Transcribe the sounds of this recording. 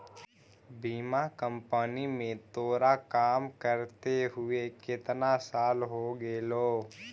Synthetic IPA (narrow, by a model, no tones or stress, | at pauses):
biːmakə̃mpənimẽt̪oːɾakaːmkəɾt̪eɦʊekɪt̪nasaːlɦoɡeːloː